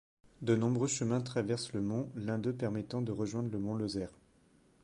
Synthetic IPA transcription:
d̪ənɔ̃bʁøʃəmɛ̃t̪χavɛʁsləmɔ̃lɛ̃d̪øpɛʁmɛt̪ɑ̃d̪əʁəʒwɛ̃d̪ʁləmɔ̃lozɛːʁ

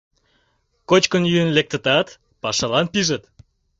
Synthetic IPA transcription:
kot͡ɕkənjyənlek̚t̪ə̆t̪ɑt̪ | pɑʃɑlɑnpiʒət̪

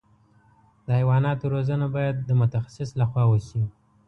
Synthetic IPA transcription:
d̪əhajwɑnɑt̪oɾozənabɑjad̪̚ːəmʊt̪axḁsɪslaxwɑwəʃi

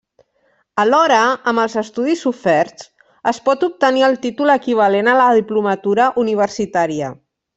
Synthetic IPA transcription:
əlɔɾəəməlˠzəst̪uðizufɛrtt͡s | əspɔt̪up̚t̪əniəlˠt̪it̪uləkiβ̞alenələðiplumət̪uɾəʔuniβ̞ərsit̪aɾiə̰

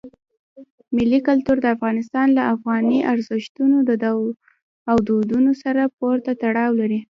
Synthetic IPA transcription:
mɪlːikʊlt̪uɾd̪əafɣɑnɪst̪ɑnlaʔafɣɑniʔaɾzɪʃt̪unod̪əd̪aw | awd̪od̪unosaɾap̚oɾt̪at̪aɽɑwlaɾi

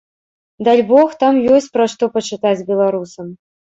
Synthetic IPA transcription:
d̪alʲbɔxt̪amjɔsʲt͡sʲpɾɐʂt̪ɔpɐt͡ʂɨt̪at͡sʲbʲɛlˠaɾusɐm

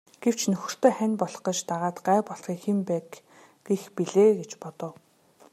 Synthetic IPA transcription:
ɡ̥ew̥t͡ɕʰnɵxɵ̆r̥t̪ʰeːχænʲpɔɮχɞ̆t͡ɕt̪aʁaːt̪ɢæːpɔɮχiːkxempæː | ɡexpiɮeːɡet͡ɕpɔt̪ɞ̆w

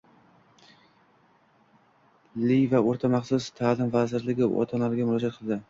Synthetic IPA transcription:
lijvaoɾt̪ʰamaχsʊst̪ʰaːlɪmvazɪɾlɪɡʲɪʔɒ̰t̪ʰanlaɾɪɡʲamʊɾlɒd͡ʒat̪̚qʰɨlˠd̪ɪ

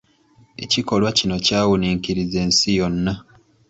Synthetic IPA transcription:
e̞̰ciko̞lwacino̞caːwuniːŋkiɾize̞ːnsijo̞nːa

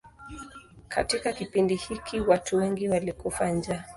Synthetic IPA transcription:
katikakipindihikʰiwatuwɛŋɡiwalikufaɲd͡ʒa

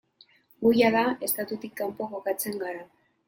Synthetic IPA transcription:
ɡujaðae̞st̪at̪ut̪ikːampoɣokat͡se̞ŋɡaɾa

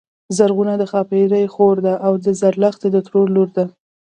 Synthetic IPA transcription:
zaɾɣunad̪əxɑpeɾajxoɾd̪aʔawd̪əzaɾlaxt̪ed̪ət̪ɾoɾloɾd̪a

